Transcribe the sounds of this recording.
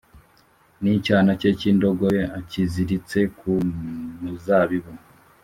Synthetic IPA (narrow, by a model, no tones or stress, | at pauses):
nicaːnaceciːndoɡojeaciziɾit͡se̞kumuzaβiβu